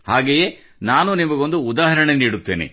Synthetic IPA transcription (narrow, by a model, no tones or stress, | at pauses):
haːɡeje̞ | naːnunimɐɡo̞nd̪uːd̪aːɦɐɾɐɳeniːɽut̪ːeːnḛ